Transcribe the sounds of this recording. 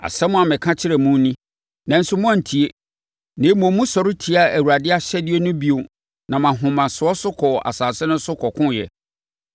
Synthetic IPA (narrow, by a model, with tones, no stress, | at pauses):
a̰˨sɛ˦mʊ̃˦a˨mɪ̃˨kʰã˦t͡ɕʰɪ˦ɾɛ˨mũ˦nĩ˦ | nã˨n̩˦sʊ˦mʊ̃˦ã˦n̩˨tʰi˨e˦ | nɪ̃˨˦mõ˨mːũ˦sɔ˨ɾɪ˦tʰi˨a˦æ˨wu˨ɾa˨dɪ˦a˦ɕɛ˦dɪ˦e˦nʊ̃˦bi˦o˨ | nã˨mã˨ɦʊ̃˨mã˨sʊ˨ɔ˦sʊ˦kʰɔ˨a̰˨saː˨sɪ˦nʊ̃˦sʊ˦kʰɔ˨kʰʊ̃˦˨jɛ̰˨